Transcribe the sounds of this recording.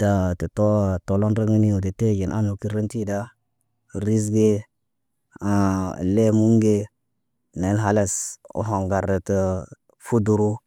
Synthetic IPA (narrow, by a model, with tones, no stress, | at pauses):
ta˨tə˨to˦to˨lo˦nɾe˦ŋi˦ni˦o˨de˨te˦˨ɡi˨nʔa̰˦nu˨ki˦ɾe˦nti˦da˦ | ɾi˦s̬ɡe˦ | a˨le˦mu˦ŋɡe˦ | ne˨˦lɦa˦la˨so̰˨ɦo˨ŋɡa˨ɾə˨tə˨ | fu˦du˨ɾu˦